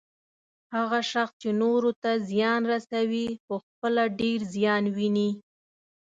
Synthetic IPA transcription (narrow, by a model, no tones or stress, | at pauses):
haɣaʃaxst͡ʃenoɾot̪azjɑnɾasawixəxpəlaɖeɾzjɑnwini